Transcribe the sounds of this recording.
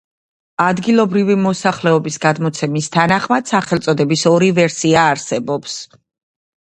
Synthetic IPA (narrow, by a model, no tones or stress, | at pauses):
ad̪ɡilˠɔbɾivimɔsaχlɛɔbisɡad̪mɔt̪sʰɛmist̪ʰanaχmad̪̥saχɛlˠt̪sʼɔd̪ɛbisɔɾivɛɾsiaːɾsɛbɔps